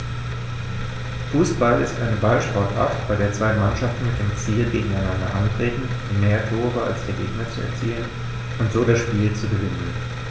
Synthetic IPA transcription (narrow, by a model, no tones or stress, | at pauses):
fuːsb̥alɪ̰stʔaɪnəbalʃpɔɐtʔa̰ɐtb̥aɪdeːɐt͡sv̥aɪmanʃaftn̩mɪt̚d̥eːmt͡siːlɡeːɡŋ̩aɪnandɐ̰ʔantʁ̥eːtn̩ | ɪmeːɐtʰoːɐʁɐa̰lsd̥eːɐɡeːɡnɐt͡suɛ̰ɐt͡siːlən | ʔʊntz̥oːdasʃpiːlt͡suɡəvɪnən